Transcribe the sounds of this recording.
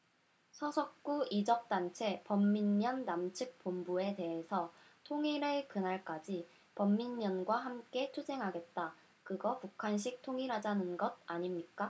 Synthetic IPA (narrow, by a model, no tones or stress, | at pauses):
sʰʌsʰʌk̚k͈uid͡ʑʌk̚t͈ant͡ɕʰe̞pʌmːinmjʌnːamt͡ɕʰɯk̚p͈ombue̞te̞ɦe̞sʰʌ | tʰoŋiɾekɯnaɭk͈ad͡ʑi | pʌmːinmjʌnɡwaɦamk͈e̞t͡ɕʰud͡ʑe̞ŋɦaɡe̞t̚t͈a | kɯɡʌpukʰanɕ̬ʰik̚tʰoŋiɾɦad͡ʑanɯnɡʌd̚aɲimɲik͈a